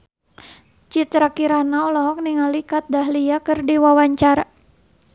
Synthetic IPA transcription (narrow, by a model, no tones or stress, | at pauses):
t͡ʃit̪ɾakiɾanaɔlɔɦɔk̚niŋalikat̪̚daɦliakɨrdiwawaɲt͡ʃaɾa